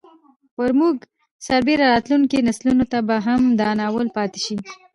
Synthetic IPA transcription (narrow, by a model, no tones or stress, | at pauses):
waɾmuɡ | saɾbeɾaɾɑt̪luŋkinaslunot̪abaɦamd̪ɑnɑwəlpɑt̪e̥ʃi